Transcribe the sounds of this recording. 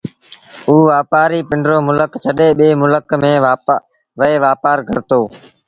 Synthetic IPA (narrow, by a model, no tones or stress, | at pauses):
uːʋaːpaːɾiːpɪɳɖɾoːmʊləkt͡ʃʰəɗeːɓeːmʊləkmẽː | ʋəeːʋaːpaːɾkə̰ɾt̪oː